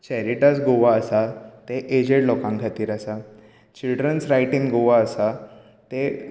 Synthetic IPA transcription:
t͡ɕɛɾiʈasɡoʋaːsat̪eʔed͡ʑeɽlɔkãŋɡʱat̪iːɾasa | t͡ɕilɖɾənsɾajʈĩŋɡɡoʋaəsa | t̪e

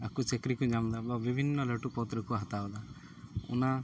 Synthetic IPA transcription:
akut͡ʃekɾikud͡ʒamd̪ababibʱinːɔləʈupɔt̪ɾəkuɦat̪ad̪a | ṵna

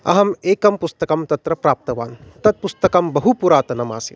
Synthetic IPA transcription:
ɐ̰ɦɐmeːkɐmpust̪ɐkɐmt̪ɐt̪ɾɐpɾaːp̚t̪ɐʋaːnt̪ɐd̪̚pust̪ɐkɐmbɐɦupuɾaːt̪ɐnɐma̰ːsḭ

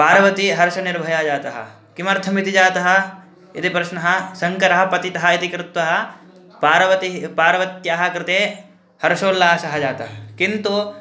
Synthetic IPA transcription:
paːɾɐʋɐt̪iɦɐɾʃɐniɾbʱɐjaːd͡ʒaːt̪ɐɦɐ̰ | kimɐɾt̪ʰɐmit̪id͡ʒaːt̪ɐɦɐ̆ | it̪ipɾɐʃnɐɦɐ̆sɐŋkɐɾɐɦɐpɐt̪it̪ɐɦɐit̪ikɾɪt̪ʋɐɦɐ̆ | paːɾɐʋɐt̪ipaːɾʋɐt̪jaːɦɐkɾɪt̪eː | hɐɾʃoːlːaːɦɐsɐɦɐd͡ʒaːt̪ɐɦɐkint̪u

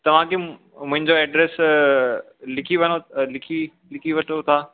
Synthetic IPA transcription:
t̪ɐʋ̤ãke | mʊ̃ɦɪ̃ɲd͡ʑoɛːɖɾeːs | lɪkʰiʋɐñolɪkʰi | lɪkʰiʋɐʈʰot̪ʰaː

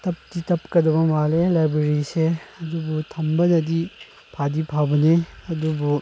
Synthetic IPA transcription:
tɐp̚ditɐp̚kɐdɐbɐmalelajbɾeɾiseɐdubutʰɐmbɐnɐdi | pʰadipʰabɐneɐdubu

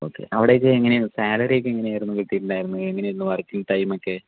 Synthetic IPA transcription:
o̰ːkːḛʔɐʋiɽejokːɨeŋːɐnesaːlɐɾejkːɨeŋːɐneaːjɾunːukiʈːijiʈːuɳɖaːjiɾunːueŋːɐneinːɨʋɐrkːiŋʈɐjmokːe

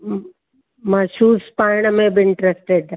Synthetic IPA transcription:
maːʃuːspaːɾɪɽ̃əmẽbɪɪɳʈɾesʈeɖ

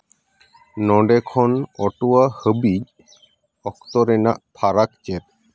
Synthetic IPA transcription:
nɔɖɛkʰɔnɔʈuwahəbic | ɔk̚t̪ɔɾɛnaʔp̪ʰaɾak̚t͡ʃɛt̪̚

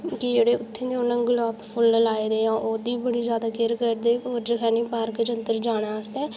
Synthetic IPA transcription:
kɪd͡ʒeːɽeːʊt̪ʰːẽːd̪eːoːnãːɡʊlaːppʰʊlːəlaːeːd̪eːãːʔoːd̪iːbəɽiːzjaːd̪aːkɪɾkəɾd̪eːoːɾd͡ʒəkɛːnĩːpaːɾkd͡ʒənt̪əɾd͡ʒaːɽ̃aːəst̪ɛː

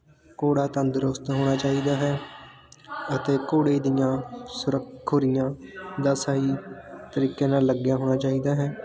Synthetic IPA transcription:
koːɽaːt̪ənd̪ɾʊst̪ɦoːɽ̃aːt͡ʃaːiːd̪aːɦɛː | ət̪eːkoːɽeːd̪ɪjãːsʊɾəkʰːoɾɪjãːd̪aːsaːiːt̪əɾiːkːẽːnaːlːəɡjaːɦoːɽ̃aːt͡ʃaːiːd̪aːɦɛː

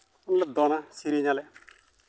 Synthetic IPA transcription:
nlɐd̪ɔnasiɾiɲalɛ

